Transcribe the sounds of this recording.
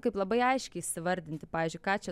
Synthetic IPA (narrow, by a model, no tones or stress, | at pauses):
kɐɪplˠɐbɐɪɐɪʃʲkʲɛɪisʲɪʋɐɾʲd̪ʲɪnt̪ʲɪppɑːʋʲiːzʲd͡ʒʲʊɪkɑːt͡ʃʲɛ